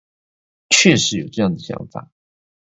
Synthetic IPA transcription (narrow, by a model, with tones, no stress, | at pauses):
t͡ɕʰɥɛ˥˩ʂɻ̩˧˥jo˨˩ʊʈ͡ʂɤ˥˧jɑ˥˩ŋd̪ə˩ɕjɑ̰˧˥ŋfa̰˨˩˦